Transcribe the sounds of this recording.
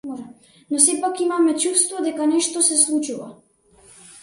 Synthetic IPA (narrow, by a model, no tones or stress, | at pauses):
mɔʒɛ | nɔsɛpakimamɛt͡ʃust̪vɔd̪ɛkanɛʃt̪ɔsɛslˠut͡ʃuva